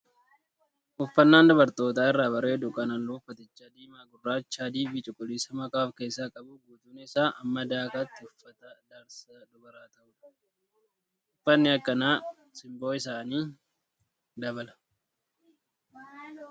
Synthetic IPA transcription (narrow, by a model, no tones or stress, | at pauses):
ʔʊfːɐnːaːnd̪ɐbɐɾt̪o̞ːt̪aːɪrːaːbɐɾeːd̪ʊkʼɐnɐlːʊʊfːɐt̪ɪt͡ʃːad̪iːmaːɡʊrːaːt͡ʃːaːd̪iːbiːt͡ʃʼɪkʼʊlisɐmɐkaːfke̞ːsːaːkʼɐbʊɡuːt̪unɛɪsaːʔɐmːɐd̪aːkaːt̪ːɪʊfːɐt̪ɐd̪aɾsad̪ʊbɐɾaːt̪ɐʔʊᶑɐ̥ | ʊfːɐnːɪɐkːɐnaː | sɪmbo̞ːɪs̬aːniː | d̪ɐbɐlɐ̥